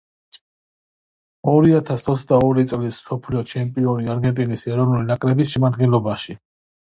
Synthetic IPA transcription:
ɔɾiat̪ʰasʰɔt̪sʰd̪aɔɾit̪sʼlisːɔpʰliɔt͡ʃʰɛmpʼiɔniaɾɡɛnt̪ʼinisɛɾɔvnulinakʼɾɛbisʃɛmad̪ɡɛlˠɔbaʃi

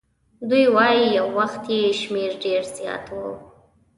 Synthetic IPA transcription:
d̪ujwɑjijawːaxt̪jeʃmeɾɖeɾzjɑ̰t̪wṵ

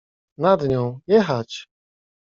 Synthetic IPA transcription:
nad̪ɲɔ̃w̃jɛxat͡ɕ

